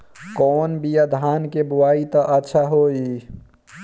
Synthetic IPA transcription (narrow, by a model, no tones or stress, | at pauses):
kɔːnbijad̪ʱaːnkebuwait̪əʔətːʃʰaɦoi